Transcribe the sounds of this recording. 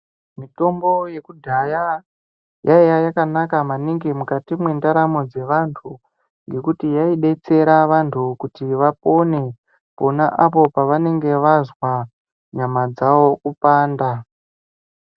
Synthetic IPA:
mito̞mbo̞je̞kudʱaja | jaijajakanakamaniŋɡemukatimwe̞ndaɾamo̞d͡ze̞ʋantʰu | ŋɡe̞kutijaiɗe̞t͡se̞ɾaʋantʰukutiʋapo̞ne̞ | po̞naʔapo̞paʋane̞ŋɡe̞ʋazwa | ɲamad͡zawo̞kupaːnda

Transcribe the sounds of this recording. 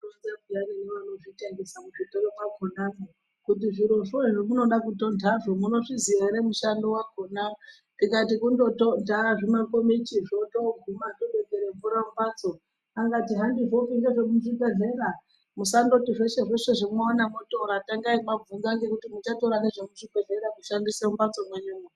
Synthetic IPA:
onzaɡʱujaneneʋano̞ʐiteŋɡesamuʐitoɾokaɡʱonaŋo | kutiʐiɾoʐoeʐomuno̞ɗakuto̞ndʱaʐomuno̞ʐizieɾemuʃandowaɡʱona | nikatikundo̞tondʱaʐimakomet͡ʃiʐotoɡʱumatoɓed͡zeɾeɱvuɾambat͡so | aŋɡatiɦandiʐo̞fiŋɡeʐemuʐipeɮe̞ɾa | musando̞tiʐeʃeʐeʂe̞ʐimaonamotoɾataŋɡaimavund͡zaŋɡe̞kutimut͡ʃatoɾaneʐemuʐipe̞ɮe̞ɾakuʃandiseumbat͡so̞mweɲuːme

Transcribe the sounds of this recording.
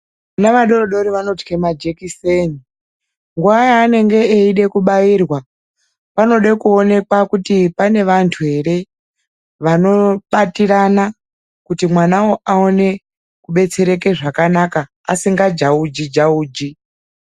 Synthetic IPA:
naʋaɗo̞roɗo̞ɾiʋano̞ti̥kemad͡ʒekiseni | ŋɡuajaːne̞ŋɡe̞ːiɗe̞kuɓairwa | pano̞ɗekuo̞ne̞kwakutipane̞ʋantʰuɦe̞ɾe̞ | ʋano̞ɓatiɾana | kutimwanawo̞ʔao̞ne̞ | kuɓe̞t͡se̞ɾe̞ke̞ʐakanakaːsiŋɡad͡ʒaud͡ʒid͡ʒauːd͡ʒi

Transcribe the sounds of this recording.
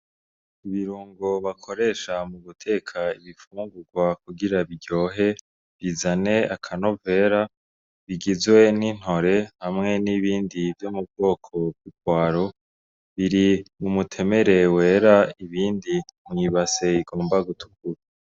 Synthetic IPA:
iβiɾuːŋɡo̞βakʰo̞ɾe̞ːʃamuβutʰe̞ːkʰaiβifuːŋɡuɾɡwakuɡiɾaβiɟo̞ːɦe̞ | βizane̞akʰano̞ve̞ːɾa | βiɡizwe̞nin̥ho̞ɾe̞hamŋe̞niβiːndivjomub̚ɡo̞ːkʰo̞bɡikwaːɾo̞ | βiɾimumutʰe̞me̞ɾe̞we̞ːɾaiβiːndimŋiβase̞iɡo̞ːmbaɡutu̥kuɾa

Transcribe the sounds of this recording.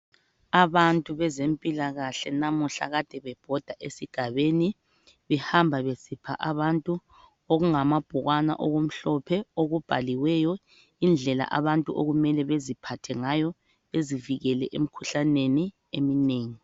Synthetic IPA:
aβantʼuβɛzempʼilaɣaɬɛnamuɬa̰ɣad̥ʱɛβɛb̥ʱɔd̥ʱaʔesiɡ̥ʱaβeːni | βɛhambʱaβesipʰa̰ʔaβantʼu | oɣuŋamab̥ʱuɣwana̰ʔɔɣom̩ɬɔpʰɛoɣub̥ʱaliwɛjɔ | ind͡ɮʱɛla̰ʔaβantʼuʔoɣumɛlɛβezipʰatʰɛŋajɔ | βeziviɣɛlɛʔem̩kʰuɬaneni | emineːŋi

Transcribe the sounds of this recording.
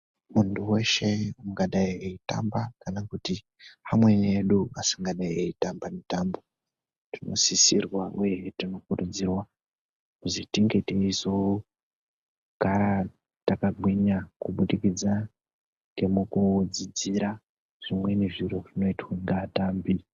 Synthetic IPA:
muntuwe̞ʃe̞uŋɡaɗaieita̰mbakanakuti | amwe̞neɗuasiŋɡaɗaieitambamitambo̞ | tino̞̰sisirwauje̞tino̞kuɾud͡zirwa | kuzitiŋɡeteizo | ŋɡa | takaɡwiɲakuɓuɗikid͡za | ŋɡe̞mukud͡zid͡ziɾa | ʐ̥imwe̞neʐiɾoʐino̞itweŋɡataːmbi

